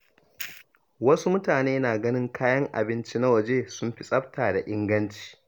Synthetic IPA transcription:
wɐ˦su˦mʊ˦taː˨neː˦naː˨ɡɐ˦nɪ˦ŋkaː˦jɐ˦ŋʔa̰˨bɪ˦nt͡ʃi˦na˦wɐ˨d͡ʒeː˦sʊ˦mɸi˦sʼɐ˦ɸtʰaː˨da˨ʔɪ˦ŋɡɐ˦nt͡ʃi̥ː˨

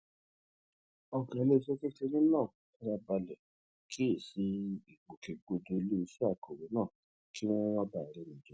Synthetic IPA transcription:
ɔ˧kɛ˨˧le˦i˧˦se˦ke˦t͡ʃe˧nĩ˦nãː˦˨a˧ɾa˦˧ba˧lɛ˨ | kʰi˦e˦˨si˧i˨ɡ͡bo˨ke˨ɡ͡bo˧do˧lu˦˧si˦a˦˨ko˨ɾe˨˦nãː˦˨ | ki˦w̃ɔ̃˦wɔ̃˦ba˦˨ɾɛ˧˦nĩ˨d͡ʒe˨˦

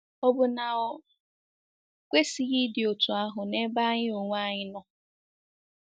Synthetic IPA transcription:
ɔ˦bʊ˦na˨ɔ˦ | kʷe˦si˨ɣi˦dɪ˨o˨tu˨a˦ɦʊ˨ne˦ba˦ɲɪ˦o˨ŋʷ˦a˦ɲɪ˦nɔ˦

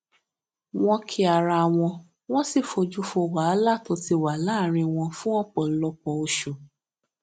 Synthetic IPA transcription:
w̃ɔ̃˧kʰi˧a˨ɾa˧˨w̃ɔ̃˧ | w̃ɔ̃˦si˦˨fo˧d͡ʒu˦fo˧wa˨˦la˦˨to˧ti˧wa˨˦laː˦˨ɾ̃ĩ˧w̃ɔ̃˧fũ˦ɔ̃˦k͡pɔ˨lɔ˧k͡pɔ˧o˧ʃo˨

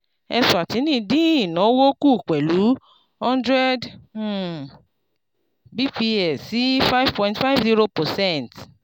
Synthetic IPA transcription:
ɛ̰˧su˨a˨ti˨˦nĩː˦˨dĩ˦i˨nɔ̃˨˦wo˦ku˦˨k͡pɛ˨lu˨˦ | hɔ̃˦ndɾɛ˦d̩˨ | bi˦pi˧ɛ˨si˨˦fa˦i˦v̥pɔ̃˧ĩntfa˦jvzi˦ɾo˧pɔ˨sɛ̃˦˨nt

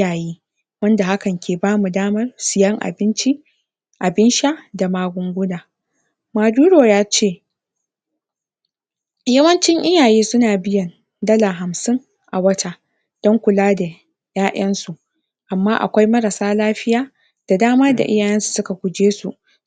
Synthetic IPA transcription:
jaː˨jiː˦ | wɐ˦nda˨ha˦kɐ˨ŋkʲʰeː˨baː˦mu˨daː˦mɐ˦rsɪ˨jɐ˦ŋʔa̰˨bɪ˦nt͡ʃi˦ | ʔa˨bɪ˦nʃa˦da˨maː˦ɡʷʊ˦ŋɡʷʊ˦naː˨ | maː˨duː˦ɽoː˨jaː˦t͡ʃeː˦˨ | jɐ˦wɐ˦nt͡ʃɪ˦ŋʔɪ˦jaː˨jiː˦sʊ˦naː˨bɪ˦jɐ˨n | dɐ˦laː˨ɦa˨msɪ˦ŋ | ʔa˨wɐ˦ta˦ | d̥ɔ˦ŋkʷʊ˨laː˦da˨ | jaː˦ʔɐ˦nsu˨ʔ | ʔa˨mːaː˦ʔa̰˨kʷa˦jmɐ˦ɾa˨saː˦laː˦ɸɪ˦jaː˦ | d̥a˨daː˦maː˦da̰˨ʔɪ̰˦jaː˨jɐ˦nsu̥˨sʊ˦ka˨ɡʷʊ˨d͡ʒeː˦sṵ˨ʔ

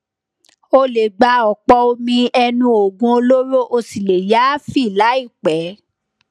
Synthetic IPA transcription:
o˧le˨ɡ͡ba˧ɔ˨k͡pɔ˧o˧mĩ˧ɛ˧nũ˧o˨ɡũ˧o˧lo˦ɾo˦ʔo˧si˨le˨ja˨˦fi˦˨la˨˦i˦˨k͡pɛ˨˦

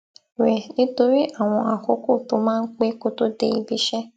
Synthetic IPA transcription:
ɾe˨nĩ˦to˧ɾi˦ʔa˦˨w̃ɔ̃˧a˨ko˦ko˦˨to˨mãː˦n̩˦k͡pe˦ko˦to˦de˧i˨bi˧ʃɛ˦

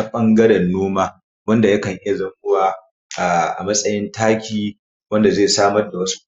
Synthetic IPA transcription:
a˦ɓɐ˦ŋɡɐ˦ɽɛ˨nːoː˦maː˦ | wɐ˦nda˨jɐ˦kɐ˨ŋʔɪ˦ja˨zɐ˦ŋʔʊ˦waː˨ | ʔaː˨ʔa̰˨mɐ˦sʼɐ˦jɪ˦ntaː˦kʲiː˦ | wɐ˦nda˨zeː˦˨saː˦mɐ˦rda˨wɐ˦s

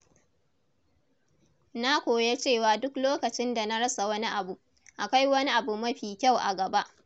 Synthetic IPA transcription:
na˦kʷoː˨je˦t͡ʃeː˦˨waː˨dʊ˦kloː˦kɐ˨t͡ʃɪ˦nda˨na˦ɽɐ˦sa˨wɐ˦ni˦ʔa˨bu˨ | ʔa˨ka˦jwɐ˦ni˦ʔa˨bu˨mɐ˦ɸiː˨kʲa˦˨wʔa̰˨ɡɐ˨ba˦ʔ

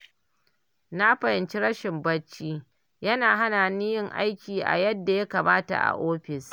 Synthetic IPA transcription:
na˦ɸɐ˨hɪ˨nt͡ʃi˦ɾɐ˦ʃɪ˨mbɐ˦t͡ʃːiː˦ | jɐ˦naː˨ɦa˦naː˨niː˦jɪ˦ŋʔa̰˦jkʲiː˨ʔa̰˨jɐ˦dːa˨ja˦kɐ˨maː˦ta̰˨ʔa̰˨ʔoː˦ɸɪ˨s

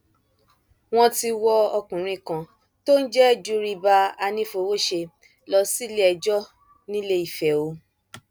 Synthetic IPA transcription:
w̃ɔ̃˧ti˧wɔ˧ɔ˧kũ˨ɾ̃ĩ˧kã˨ | to˦n̩˦d͡ʒɛ˦˨d͡ʒu˦ɾi˧ba˧a˧nĩ˧fo˧wo˦ʃe˧ | lɔ˧si˦le˦ɛ˧d͡ʒɔ˦ | nĩ˦le˦i˨fɛ˨o˨˦

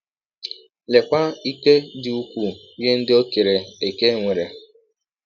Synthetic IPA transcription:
le˨kʷa˦i˦ke˦dɪ˦u˦kʷu˦˨˦ | je˦n̩˦dɪ˦o˦ke˨ɾe˨e˨ke˦ŋʷe˨ɾe˨

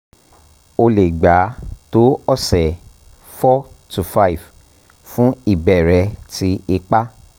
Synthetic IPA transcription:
o˧le˨ɡ͡ba˨˦to˦ɔ˦˨sɛ˨ | fɔ˦tu˨fa˦i˨v | fũ˦i˦˨bɛ˨ɾɛ˧ti˨˦i˧k͡pa˦

